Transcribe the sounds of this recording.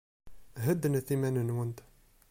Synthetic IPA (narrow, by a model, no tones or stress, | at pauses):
ɦəd̪nθimænənwənd̪